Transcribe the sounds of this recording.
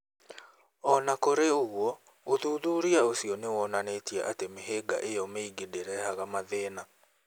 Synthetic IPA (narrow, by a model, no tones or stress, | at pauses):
ɔnakoɾeoɣwɔ | oðuːðuːɾiaosiɔnewɔnanetiɛ̰ʔatemeɦeɡa̰ʔejɔmeiɡedeɾɛhaɣamaðɛːna